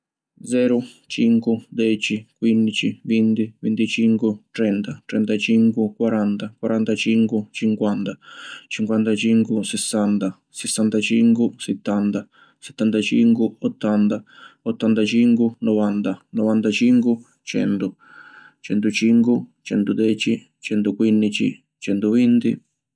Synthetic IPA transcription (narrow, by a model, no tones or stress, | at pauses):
d̪zɛːɾu | t͡ʃiŋkud̪ɛt͡ʃikwind̪it͡ʃivind̪ivint̪it͡ʃiŋkut̪ɾɛnt̪at̪ɾɛnt̪at͡ʃiŋkukwaɾant̪akwaɾʔant̪at͡ʃiŋkut͡ʃiŋkwant̪at͡ʃiŋkwant̪at͡ʃiŋkusɛsːant̪a | sɛsːant̪at͡ʃiŋkusɛt̪ːant̪a | sɛ̥t̪ːant̪at͡ʃiŋkuɔt̪ːant̪aɔt̪ːant̪at͡ʃiŋkunɔvant̪anɔvant̪at͡ʃiŋku | t͡ʃɛ̰nt̪u | t͡ʃɛnt̪ut͡ʃiŋkut͡ʃɛnt̪ud̪ɛːt͡ʃi | t͡ʃɛnt̪ukwinːit͡ʃḭ | t͡ʃɛnt̪uvint̪i